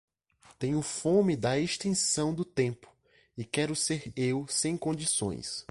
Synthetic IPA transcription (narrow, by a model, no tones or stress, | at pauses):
t̪ẽɲʊfõmid̪ɐeʃt̪ẽsɐ̃w̃d̪ʊt̪ẽmpʊ̥ | ɪkɛɾʊseɾewsẽj̃kõd͡ʒisõ̰j̃s